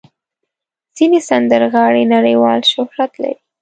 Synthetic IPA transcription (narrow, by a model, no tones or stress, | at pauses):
z̥inesand̪əɾɣɑɽenaɽəjwɑlʃʊhɾat̪la̰ɾi